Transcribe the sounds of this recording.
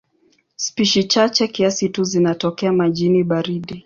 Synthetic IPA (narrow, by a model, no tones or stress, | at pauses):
spiʃit͡ʃat͡ʃɛkiasituzinatɔkɛamaʄiniɓaɾiɗi